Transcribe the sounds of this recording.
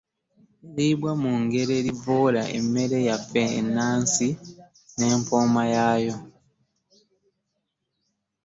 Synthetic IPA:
eɾibwamuŋɡe̞ɾeɾivola̰ʔḛme̞ɾejafḛːnːaːnsi | ne̞ːmpoːmajaːjo̞

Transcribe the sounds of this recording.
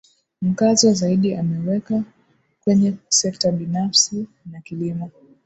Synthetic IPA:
m̩kazɔzaiɗiamɛwɛka | kwɛɲɛsɛk̚taɓinafsi | nakilimɔ

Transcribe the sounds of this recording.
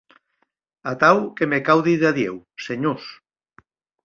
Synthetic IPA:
at̪awkemekawðiðaðjew | seɲos

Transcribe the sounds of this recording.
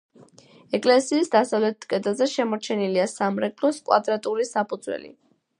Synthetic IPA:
ɛkʼlɛsiːsd̪asavlɛt̪ʰkʼɛd̪lˠzɛʃɛmɔɾt͡ʃʰɛniliasamɾɛɡʼlɔskʼwa̰d̪ɾat̪ʼulisapʰud̪zwɛ̰lḭ

